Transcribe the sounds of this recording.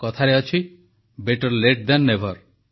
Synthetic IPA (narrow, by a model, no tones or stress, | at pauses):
kɔt̪ʰaɾeɔt͡ʃʰi | beʈɔɾleʈ̚d̪anːebʱɔɾ